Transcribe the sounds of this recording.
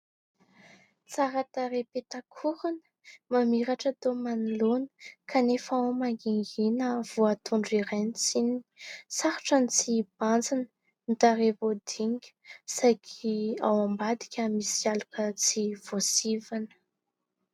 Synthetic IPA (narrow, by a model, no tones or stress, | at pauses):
t͡saɾat̪aɾepet̪akʰuɾunə̥mamiɾaʈ͡ʂət̪omanilonə̥kʰanefaomaŋɡiŋɡinəv̥uat̪uɳɖ͡ʐiɾajnit͡siniisaɾu̥ʈ͡ʂanit͡sib̥and͡zinə | nit̪aɾevod̪iŋɡʲə̥sajkʰia̰wambad̪i̥kʲəmisialukət͡siv̥osivanə̥